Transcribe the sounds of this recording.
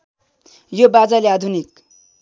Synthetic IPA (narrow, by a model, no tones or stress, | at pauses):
jobad͡zalead̪ʱunik̚